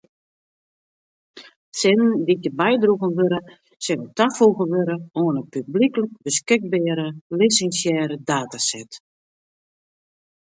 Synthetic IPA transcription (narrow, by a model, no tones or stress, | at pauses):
sɪnənditəbɛjdruɣənʋøɾə | sɛlətafuɣənʋøɾəoːnəpyblikələk̚bəskɪk̚bɛːɾəlisɛnsjɛːɾədaːtasɛt